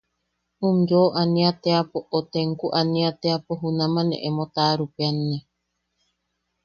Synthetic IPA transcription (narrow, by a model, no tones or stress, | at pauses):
umjoʔanĩat̪eapoʔot̪eŋkuʔanĩat̪eapoɦunãmãnḛ̃ʔemot̪aɾupeanie